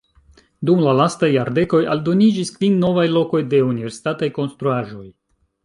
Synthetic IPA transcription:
dumlalastajːaɾde̞ko̞jaldo̞nid͡ʒiskvinːo̞vajlo̞ko̞jde̞unive̞ɾsi̥tatajko̞nstɾuaʒo̞j

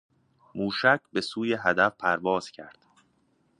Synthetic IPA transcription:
muːʃæcʰbe̞suːjeɦæd̪æfpʰæɾvɒːz̥cʰæɾd̪̥

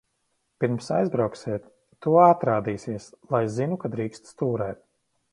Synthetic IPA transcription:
piɾmsa̰jzbɾawksiɛt̪ː | uɔat̪ɾaːd̪iːsiɛslˠajzinukad̪ɾiːkst̪st̪uːɾɛːt̪̚

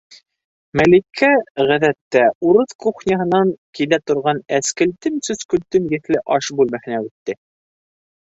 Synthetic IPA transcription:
mælikʰːæʁæðæt̪ːæuɾɤðkuχnʲɑɦɤ̆nɑŋkilæt̪ŏɾʁɑnæskɘ̆lt̪ɘmsɵzkɵ̆lt̪ɵmjɘ̆θlɘʔɑʃbʉlmæhɘ̆næʉt̪ːɘ

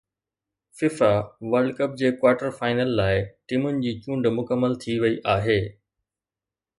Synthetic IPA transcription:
fɪfaʋəɾɖkəp̚d͡ʑeːkwaːɾʈəɾfaːɪnəlːaːɪʈimʊnɪ̆d͡ʑiːt͡ɕũːɳɖmʊkəmːəlt̪ʰiʋɐiʔaːɦeː

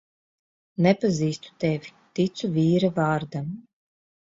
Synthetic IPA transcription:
nɛpaziːst̪u̥t̪ɛvʲit̪it̪suvʲiːɾavaːɾd̪am

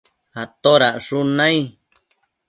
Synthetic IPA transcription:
at̪oɾaʔʂunãi

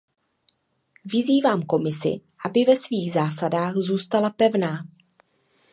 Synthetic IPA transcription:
vɪziːvaːmko̞mɪsɪ̰ʔabɪvɛsviːɣzaːsadaːxzuːst̪alapɛvnaː

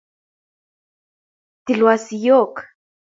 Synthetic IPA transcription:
t̪ilwasijok

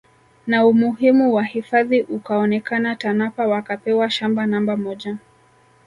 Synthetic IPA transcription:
naumuɦimuwahifaðiʔukaɔnɛkanatanapawakapɛwaʃambanambamɔʄa

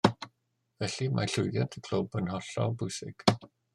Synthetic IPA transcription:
vɛɬimʔa̰ɬʊjðjantʰəkʰloːbənhɔɬɔ̰bʊjsɪ̰ɡ̥

